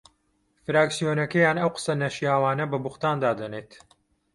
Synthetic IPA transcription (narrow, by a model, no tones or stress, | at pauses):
fɨɾaːksijonɐkɐjaːnɐwqɨ̥sɐnɐʃijaːwaːnɐbɐbuxt̪aːnd̪aːd̪ɐneːt̪